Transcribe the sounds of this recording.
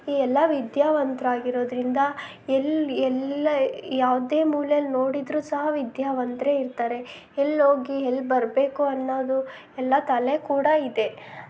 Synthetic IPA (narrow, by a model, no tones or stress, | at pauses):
iːɛlːɐʋid̪jaːʋɐnt̪ɾaːɡiɾo̞ːd̪ɾind̪ɐ | ɛlɛlɐjaːʋd̪e̞ːmuːlɐjɐlno̞ːɽid̪ɾuːsɐɦɐʋid̪jaːʋɐnt̪ɾeiɾt̪aːɾe̞ | elːoːɡiɦelːbɐɾbe̞ːkuɐnːoːd̪u | ɛlːɐt̪ɐlekuːɽɐid̪e